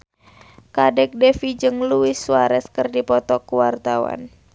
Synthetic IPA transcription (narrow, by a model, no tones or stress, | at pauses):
kadɛk̚dɛfid͡ʒɨŋluɪsːuaɾɛskɨrdipɔt̪ɔkuwart̪awa̰n